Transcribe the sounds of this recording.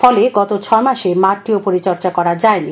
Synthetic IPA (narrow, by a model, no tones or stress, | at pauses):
fɔleɡɔt̪ot͡ɕʰɔemaʃemaɾʈ̪ːiopoɾit͡ɕɔɾt͡ɕakɔɾad͡ʑaeni